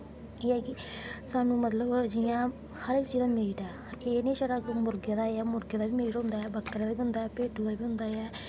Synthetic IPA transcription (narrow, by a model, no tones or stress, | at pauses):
eːɛːkɪsaːnũːmət̪ləbd͡ʒɪjãː | həɾeːkt͡ʃiːd̪aːmeːʈɛː | eːnẽːʃəɾakmʊɾɡed̪aːeaːmʊɾɡeːd̪aːʋiːmeːʈɦʊ̃nd̪aːɛːbəkːəɾad̪aːbiːɦʊnd̪aːɛːpeːʈuːd̪aːbiːɦʊ̃nd̪aːɛː